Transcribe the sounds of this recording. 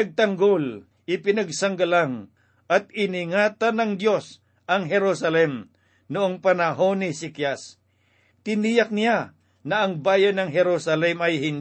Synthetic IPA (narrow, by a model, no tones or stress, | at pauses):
ɐɡ̚t̪ɐŋɡol | ʔɪpɪnɐɡ̚sɐŋɡɐlaŋ | ʔɐt̪̚ɪnɪŋaːt̪anɐŋd̪jo̞s | ʔɐŋɦɛɾosɐlɛm | nʊʔoŋpɐnɐɦonɪsɪkjas | t̪ɪnijɐk̚nɪja | nɐʔɐŋbaːjɐnɐŋɦɛɾosɐlɛmɐjhɪn